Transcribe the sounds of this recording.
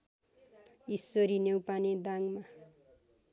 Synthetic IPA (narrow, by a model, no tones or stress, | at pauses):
isoɾinewpaned̪aŋma